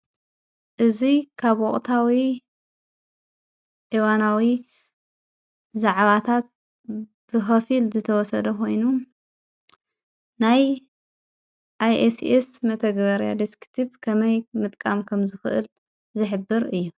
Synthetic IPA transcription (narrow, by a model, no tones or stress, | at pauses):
ʔɨzikʰaβwɔχʼt̪ʰawi | ʔiwanawi | zaʕβat̪ʰat̪̚ | b̥ɨxɐfilzɨt̪ʰɐwɔsɐd̪ɐko̞jnu | naj | ʔajʔesesmɐt̪ʰɐɡβɐɾja̰d̪iskt̪ʰibkʰɐmɐjmɨt̪ʼkʼamkʰɐmzɨxɨ̰ʔɨ̰l | zɨħɨbːɨɾɨjːu